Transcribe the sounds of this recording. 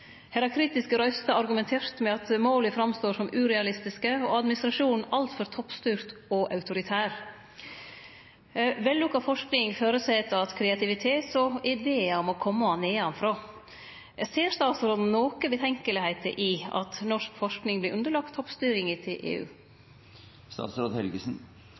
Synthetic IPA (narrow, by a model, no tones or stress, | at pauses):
hɛɾɑkʰɾiːt̪ɪskəɾœʏst̪ɑɑɾɡʉmɛnt̪ʰeːɾt̪mɛɑt̪moːlɪfɾɑmst̪oːʂɔmʉːɾɛɑlɪst̪ɪskəɔɑd̪mɪnɪst̪ɾɑʂuːnnɑlt̪fɔɾt̪ʰɔpːst̪yːɾt̪ɔʔɑʉt̪ʊɾɪt̪ʰæːɾ | ʋɛlːʊkːɑfɔʂknɪŋføːɾəsɛːt̪ɑt̪kʰɾɛɑt̪ʰɪʋɪt̪ʰeːt̪sɔɪd̪eːɑɔmɔkʰɔmːəɑneːɑnfɾoː | seːɾst̪ɑːt̪sɾoːd̪n̩noːkəbət̪ʰɛŋkəlɪhæɪt̪ʰə̰ʔɪɑ̰t̪nɔʂkfɔʂknɪŋblɪʔʉnd̪əɭɑk̚t̪ʰːɔpːst̪yːɾɪŋɪt̪ʰɪlʔḛːʉ̰ː | st̪ɑ̰ːt̪sɾoːd̪hɛlɡəsn̩